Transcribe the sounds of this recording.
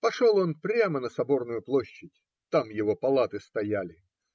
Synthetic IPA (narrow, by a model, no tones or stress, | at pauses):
pɐʂolˠo̞npɾʲamənəsɐbo̞rnʊjʊplˠo̞ɕːɪtʲ | t̪amjɪvo̞pɐlˠat̪ɨst̪ɐjalʲɪ